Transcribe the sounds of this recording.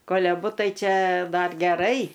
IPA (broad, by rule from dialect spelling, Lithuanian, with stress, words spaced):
ˈkoːlʲ ɐˈbʊ ˈtɐɪ ˈt͡ʃʲɛ ˈdɐr ɡʲɛˈrɐɪ